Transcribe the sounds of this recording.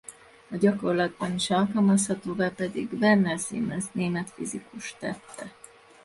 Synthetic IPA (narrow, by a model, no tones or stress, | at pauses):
ɒɟɒko̞rlɒd̪̚bɒniʃɒlkɒlmɒshɒt̪oːvaːpɛd̪iɡvɛrnɛsḭːmɛzneːmɛt̪fizikuʃt̪ɛt̪ːɛ